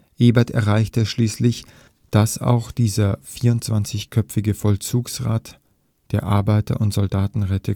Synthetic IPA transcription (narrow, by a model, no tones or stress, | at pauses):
ʔeːbɛtɛ̰ɐʁaɪçtəʃliːslɪç | d̥asa̰ʊxd̥iːzɐfiːɐʊnt̚t͡sv̥ant͡sɪçkʰœpp͡fɪɡəfɔlt͡suːksʁaːt | d̥eːɐʔa̰ɐbaɪtɐ̰ʔʊntz̥ɔldaːtn̩ʁɛtʰə